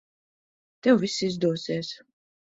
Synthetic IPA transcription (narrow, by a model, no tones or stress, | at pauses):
t̪ɛwvisːizd̪uɔsiɛːs